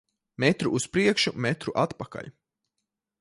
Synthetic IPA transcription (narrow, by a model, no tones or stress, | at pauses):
mɛt̪ɾuʔuspɾiɛkʃumɛt̪ɾuʔat̪paka̰ʎʲ